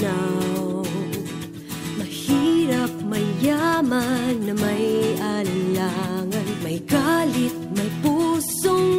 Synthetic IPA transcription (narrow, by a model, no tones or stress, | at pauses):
aw | mɐhiɾɐp̚mɐjamɐnːɐmɐjʔɐlɐlaŋɐnmɐjɡalɪt̪̚mɐjpusoŋ